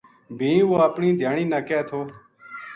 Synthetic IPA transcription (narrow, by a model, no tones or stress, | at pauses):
bʱĩːʋoːəpɳĩːd̪ʱjaːɳĩːnaːkɛːt̪ʰoː